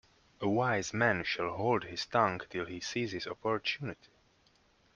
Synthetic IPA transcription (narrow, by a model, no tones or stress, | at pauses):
ʔəwaɪzmæ̃nʃælˠɦoʊlˠdhɪz̥t̪ʌ̃ŋktʰɪlˠhisiːzhɪzɔpɔɹtʰunɪti̥